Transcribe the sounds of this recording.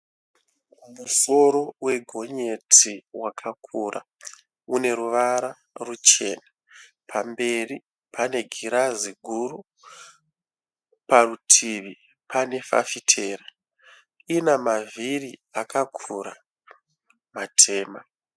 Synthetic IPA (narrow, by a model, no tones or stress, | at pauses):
muso̞ɾo̞we̞ɡʱo̞ɲe̞tʰiwakʰakʰuːrʔa̰ | une̞ɾuʋaɾa | rut͡ʃe̞̰ːna | pʰambe̞ri | pʰane̞ɡʱiɾaziɡʱuɾu | parutʰiʋi | pʰane̞fa̰fitʰe̞ːra | inamaviriakakʰuɾa | matʰe̞ːma